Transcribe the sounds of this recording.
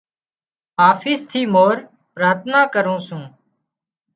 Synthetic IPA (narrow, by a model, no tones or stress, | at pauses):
aːfɪːst̪ʰiːmoːɾ | pɾaːt̪ʰnaːkəɾũːsũː